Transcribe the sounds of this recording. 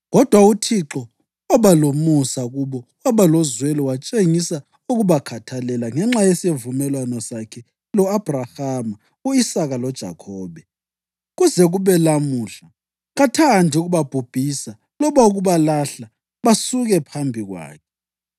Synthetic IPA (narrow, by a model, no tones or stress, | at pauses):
ɣɔd̥ʱwautʰiǁɔ | waβalomusaɣuβɔwaβalɔzwɛlɔwat͡ʃʼeŋisa | uɣuβakʰatʰalɛlaŋɛŋ͡ǁajesevumɛlwanɔsakʰɛ | lɔab̥ʱraham | uisaɣalɔd̥ʒ̥ʱa̰kʰɔːβɛ | ɣuzɛɣuβɛlamuːɬa | ɣatʰandʱiuɣuβab̥ʱub̥ʱisa | lɔβauɣuβalaɬa | βasuɣɛpʰambʱiɣwa̰ːkʰɛ̥